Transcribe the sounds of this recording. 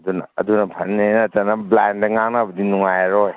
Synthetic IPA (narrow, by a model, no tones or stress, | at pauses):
ɐdunɐ̰ɐ̰dunɐpʰɐnːenɐtɐnɐblandɐŋaŋnabɐdinuŋajaɾɔj